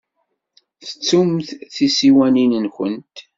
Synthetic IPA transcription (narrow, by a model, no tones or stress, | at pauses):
θə̥t͡sːumθθisiwæninənxənt̪